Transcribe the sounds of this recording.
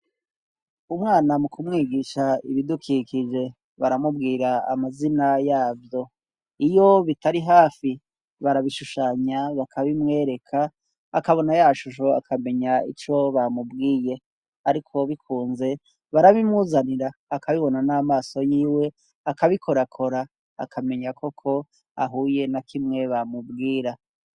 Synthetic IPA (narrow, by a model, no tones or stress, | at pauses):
umŋaːnamukumŋiːɡiːʃaiβidukʰikid͡ʒe̞ | βaɾamubɡiːɾa̰ːmazinajaːvjo̞ | ijo̞βitaɾiɦaːfi | βaɾaβiʃuʃaːɲaβakʰaβimŋe̞ːɾe̞kʰaː | kaβo̞najaʃuʃ̬o̞a̰kʰame̞ɲaḭt͡ʃo̞βamubɡiːje̞ | aɾikʰo̞βikʰuːnze̞ | βaɾaβimŋuːzaniɾaːkʰaβiβo̞nanaːmaːso̞jiːwe̞ | akaβikʰo̞ɾakʰo̞ɾa̰ː | kʰame̞ɲakʰo̞kʰo̞ | a̰ɦuːje̞nakʰimŋe̞βamubɡiːɾa